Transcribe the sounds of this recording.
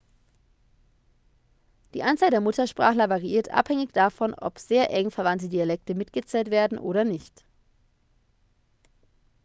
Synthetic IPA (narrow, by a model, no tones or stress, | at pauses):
d̥iːʔant͡saːldeːɐmʊtɐʃpʁ̥aːχlɐvaʁiʔiːɐtʔa̰phɛŋɪçd̥afɔnʔɔ̰pz̥eːɐʔɛŋfɛɐvantədialɛk̚təmɪtɡ̥ət͡sɛːltv̥eːɐdn̩ʔoːɾɐnɪçt